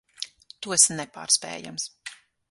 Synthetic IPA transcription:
t̪uɔsnɛpa̰ːɾspɛ̰ːja̰ms

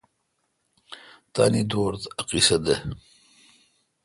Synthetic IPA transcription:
t̪a̰ːnid̪oːɾt̪ɐqisɐd̪e

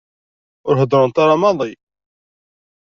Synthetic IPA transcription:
ʊɾɦəd̪ˤɾˤʊnt̪aɾɑmɑðˤi

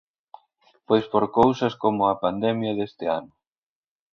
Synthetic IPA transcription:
pojspoɾkowsɐskomʊɐpand̪ɛmjɐðest̪ɪa̰nʊ

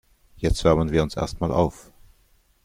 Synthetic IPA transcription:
jɛt͡stv̥ɛɐmənviːɐʊnsʔɛ̰ɐstmaːlʔa̰ʊf

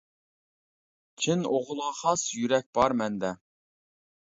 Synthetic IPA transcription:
t͡ʃʰɪnoʁʊlˠɑχɑsjyɾɛk̚ʲb̥ɑɾmɛnd̪ɛ

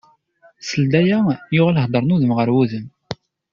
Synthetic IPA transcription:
səld̪æjæjʊʁæləhd̪ˤəɾˤnuðəmʁəɾwuðəm

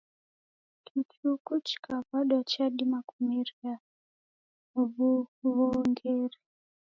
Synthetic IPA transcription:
kʰitʰukut͡ʃkapaɗwat͡ʃaɗimakumiria | ubuβoŋɡeːri

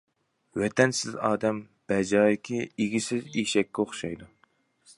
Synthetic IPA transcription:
wɛt̪ʰɛnsɪzɑːd̪ɛm | b̥ɛd͡ʒɑːjɪkʲʰieɡʲisɪziʃɛkʲːɛoχʃɑjd̪u

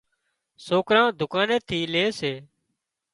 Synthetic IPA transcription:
soːkɾãːd̪ʱʊkaːneːt̪ʰiːleːseː

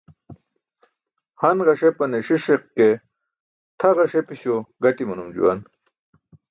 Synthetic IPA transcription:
hɐnʁɐʂepɐneʂiʂeqke | t̪ʰɐʁɐʂepiɕoɡɐʈimɐnumd͡ʑṵwan

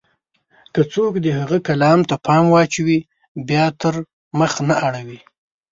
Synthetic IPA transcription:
kat͡sokd̪əhaɣəkalɑmt̪apʰɑmwɑt͡ʃwi | bjɑt̪əɾ | məxnaʔaɽawi

